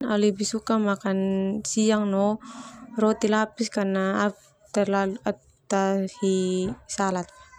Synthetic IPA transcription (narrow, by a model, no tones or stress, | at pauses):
alibisukamakansiaŋnɔ | rɔt̪ilapiskarnaː | t̪arlalua | t̪ahisalat̪̚